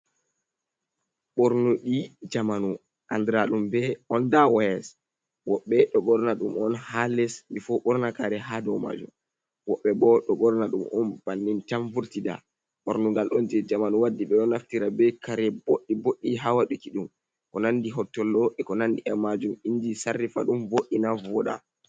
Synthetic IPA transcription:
ɓɔɾnuɗid͡ʒamanu | ʔandɾaɗumbɛɔndawajɛs | wɔɓːɛɗɔɓɔɾnaɗumɔnhalɛsmbifɔɓɔɾnakaɾɛɦadɔwma̰ːd͡ʒṵm | wɔɓːɛbɔɗɔɓɔɾnaɗumɔnb̥anːintaɱvuɾtida̰ | ɓɔɾnuŋɡalɗɔnd͡ʒɛd͡ʒamanuwadːiɓɛɗɔnaftiɾabɛkaɾɛboɗːiboɗːiɦawaɗukiɗum | kɔnanːdiɦɔtːɔlɗɔʔɛkɔnandiʔɛmad͡ʒumind͡ʒisarːifa̰ɗumvoʔːinavɔɗa̰

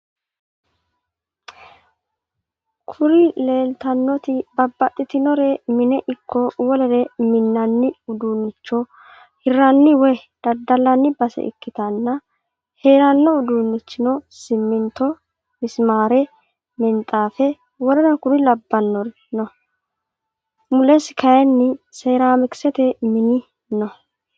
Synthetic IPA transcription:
kʰʊɾɪle̞ːlt̪ɐnːɔt̪ɪbɐbːɐʔʼɪt̪ɪnɔɾɛmɪnɛʔɪkʰːɔwɔlɛɾɛmɪnːɐnːɪʊd̪uːnːɪt͡ʃːɔ | hɪrːɐnːɪwɔjd̪̥ɐd̪ɐlːɐnːɪbɐsɛ̰ʔɪ̰kːɪt̪ɐnːɐ | heːɾɐnːɔʊd̪uːnːɪt͡ʃːɪnɔsɪmːɪnt̪ːɔ | mɪsmaːɾɛ | mɪnt̪ʼːaːfɛ | wɔɾɛnɐkʊɾɪlɐbːɐnːɔɾ | nɔ | mʊlɛsɪkʰɐjɛnːɪseːɾaːmɪksɛt̪ɛmɪnɪ | nɔ

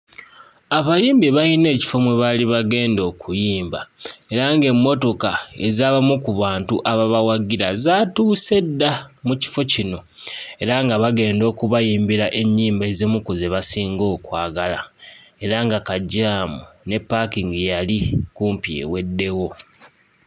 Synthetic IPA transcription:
aβaliːmbiβajine̞ːci̥fo̞mweβaliβaɡe̞ːndo̞ːkʰujiːmba̰e̞ɾaŋɡe̞mːo̞to̞kae̞zaβamukuβaːntuʔaβaβawaɡiɾazatuːse̞dːamuci̥fo̞cino̞ | e̞ɾaŋɡaβaɡe̞ːndo̞ːkuβajiːmbiɾaʔe̞ɲːiːmbezemukuzeβasiːŋɡo̞ːkwaːɡala̰ | e̞ɾaŋɡakaɟːaːmune̞pːakiŋɡijalikuːmpiḛwe̞dːe̞wo̞

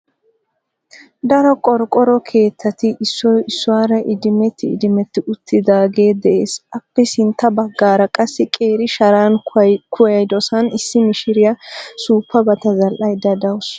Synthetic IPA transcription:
d̪ɐɾɔkʼɔɾkʼːɔɾɔkʰe̞ːt̪ʰːɐt̪ɪʔɪsːɔjɪsːʊwaːɾɐʔɪd̪ɪmɛt̪ːɪ̰ːd̪ɪmɛt̪ːɪʊt̪ʰːɪd̪aːɡe̞ːd̪ɛʔe̞ːsʔɐpːɛsɪnt̪ːɐbɐɡːaːɾɐkʼɐsːɪkʼe̞ːɾɪʃɐɾaːnkʰʊjɐjd̪ɔsɐnɪsːɪmɪʃɪɾɪjɐsuːpːɐbɐt̪ɐzɐlʔɐjd̪ːɐd̪ɐws

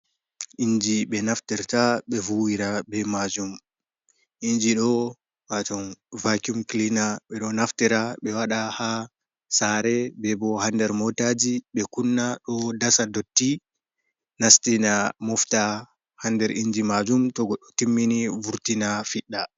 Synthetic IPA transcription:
ʔiɲd͡ʒiɓɛnaftɛɾtaɓɛvuwiɾabɛmad͡ʒum | ʔind͡ʒiɗɔ | watɔnvakumklinaɓɛɗɔnaftɛɾaɓɛwaɗaha | saɾɛbɛbɔhandɛɾmɔtad͡ʒiɓɛkunːaɗɔdasadotːi | nastinamɔfta | handɛɾʔiɲd͡ʒimad͡ʒumtɔɡɔɗːɔtimːinivuɾtinafiɗːa

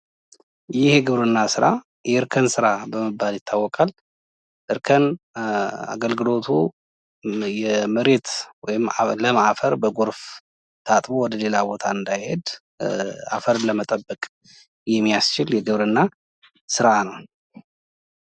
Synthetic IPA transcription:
jɪheɡɨβɾɨnːasɨɾa | jɛɨɾkʰənsɨɾabəmɨbːaljɪt̪ʰːawːɔkʼal | ʔɨɾkʰən | a̰ɡəlɡɨlo̞t̪ʰu | jɛmɨɾe̞t̪wɔjɪmləmaʔfəɾbəɡo̞ɾf | t̪ʰat̪ʼmowɔd̪əle̞labo̞t̪ʰaɨnd̪ajhe̞d̪ | a̰fəɾləmət̪ʼəbːəkʼ | jɛmːijast͡ʃɪljɛɡɨβɾɨnːa | sɨɾanəw

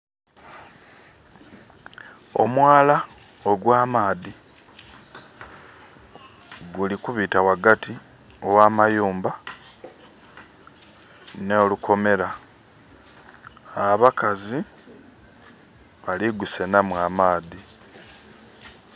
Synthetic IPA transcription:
o̞̰mwaːla | oɡwaːmaːði | ɡulikuβiːtawaɡatʰi | owaːmajuːmba | noːlukʰo̞me̞ɾa | aβakazi | βaliɡuse̞namwamaːði

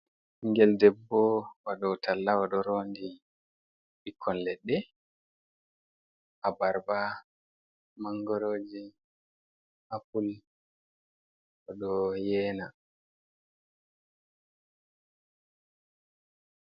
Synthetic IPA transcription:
iŋɡɛldɛbːɔwaɗɔtʰalːawaɗɔɾoːndi | ikʰːɔnlɛɗːɛ | ʔabaɾba | maŋɡɔɾoːd͡ʒi | hapul | waɗɔjɛːna

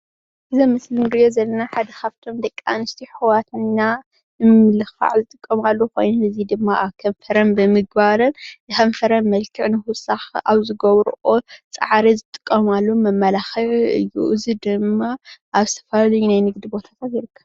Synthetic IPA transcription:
ʔɨzɐmɨslɨmɾɨjozɐlːɐnaħad̪ɐkʰaβt̪ʰo̞md̪ɐkʼːa̰nɨst̪ʰiħɨwat̪ʰɨnːa | ɨmɨlɨxa̰ʕzɨt̪ʼɨkʼːɐmalːoko̞̰jnoɨzid̪ɨmːaʔaβkʰɐɱfɐɾɐnbɨmɨɡ̚baɾɨnzɨhɐɱfɐɾɐnmɐlkʰɨʕnɨhʊsaxa̰βzɨɡɐβɾʔot͡sʼɐ̰ʕɾizɨt̪ʼɨ̥kʼːɐmalːomɐmːɐlaxɐʕɨ̰jːṵʔɨzid̪ɨmːaʔaβst̪ʰɐ̥faljunajnɨɡd̪ibo̞t̪ʰḁt̪ʰat̪jɪɾɨkʰːɐβ

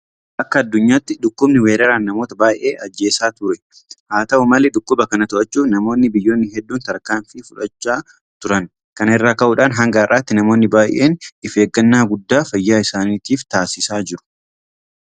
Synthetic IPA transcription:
ʔɐkːɐːd̪ːʊɲːaːt̪ːɪd̪ʊkːʊbnɪweːɾɐɾaːnːɐmo̞ːt̪ɐbaːjʔʔe̞ːʔɐd͡ʒːe̞ːsaːt̪ʊɾɛ | haːt̪ɐʔʊmɐlɛd̪ʊkːʊbɐkɐnɐt̪ʊʔɐt͡ʃːuːnɐmo̞ːnːɪbɪjːo̞ːnːɪɦɛd̪ːuːnt̪ɐɾkaːɱfɪfʊᶑɐt͡ʃːaː | t̪ʊɾɐn | kɐnɛrːaːkɐʔʊᶑaːnɦɐŋɡaːrːaːt̪ːɪnɐmo̞ːnːɪbaːjʔḛːnɪfe̞ːɡːɐnːaːɡʊd̪ːaːfɐjːaːɪsaːniːt̪iːft̪aːsɪsaːd͡ʒɪɾʊ̥

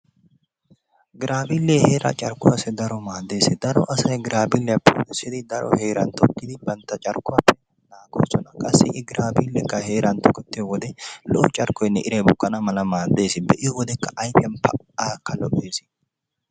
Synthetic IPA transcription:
ɡɪɾʔaːbilːeːhe̞ːɾʔa̰t͡ʃʼɐɾkːʊwasɛd̪ɐɾɔmaːd̪ːe̞ːsɪd̪ɐɾɔʔɐsɐjɡɪɾaːbilːɪjɐpːo̰ːt̪ɛsːɪd̪ɪd̪ɐɾɔ̰he̞ːɾɐnt̪ɔkːɪd̪ɪbɐnt̪ːɐt͡ʃʼɐɾkːʊwɐpːɛnɐnaːɡoːsɔnɐkʼɐsːɪ̰ʔɪɡɪɾaːbilːɛkːɐhe̞ːɾɐnt̪ɔkːɛt̪ːɪjɔwɔd̪ɛlɔʔɔt͡ʃʼɐɾkɔjnːɛʔɪɾɛjbʊkːɐnɐmɐlɐmaːd̪ːe̞ːsɪbɛʔɪjɔwɔd̪ɛkːɐʔɐjpɪjɐnpʰɐ | aːkːɐlɔʔe̞ːsɪ̥

